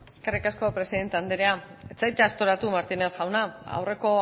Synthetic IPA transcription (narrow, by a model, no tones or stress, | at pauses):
eske̞rikasko̞pɾe̞siðe̞nt̪e̞and̪eɾeaet͡sajt̪east̪o̞ɾat̪umaɾt̪inesʝawnaa̰wre̞ko̞